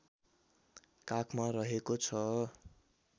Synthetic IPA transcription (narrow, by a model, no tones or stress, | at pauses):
kakʰmarʌɦekot͡sʰʌ